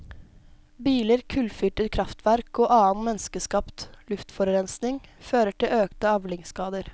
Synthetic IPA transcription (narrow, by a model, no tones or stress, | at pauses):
biːləɾkʰʉlfyːʈət̪kʰɾɑft̪ʰʋæɾkoːʔɑːn̩mɛnskəskɑpt̪lʉft̪fɔɾɾɛnsnɪŋføːɾəʈʰɪlʔøːkt̪əɑʋlɪŋskɑːd̪əɾ